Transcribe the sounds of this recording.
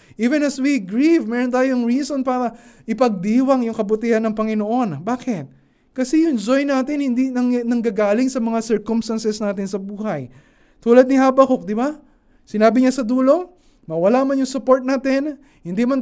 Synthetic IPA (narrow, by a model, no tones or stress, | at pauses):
ʔiːvɛ̃nɐswiɡɹivmɛːɾont̪aːjoɐŋɹiːsonpaːɾɐʔɪpɐɡ̚d̪iːwɐŋjʊŋkɐbʊt̪ɪhanɐŋpɐŋɪnoʔo̞nbaːkɪt̪̚ | kɐsɛjʊŋd͡ʒojnaːt̪ɪnhɪnd̪inɐŋnɐŋɡaɡaːlɪŋsɐmɐŋasɛɹkomst̪ɐnsɛsnaːt̪ɪnsɐbuːhɐj | t̪uːlɐd̪̚nɪhaːbɐkok̚d̪ɪba | sɪnaːbɪɲasɐd̪uːlo̞ŋ | mɐwɐlamɐnjʊŋsʊpoɹt̪̚naːt̪ɪn | hɪnd̪imɐn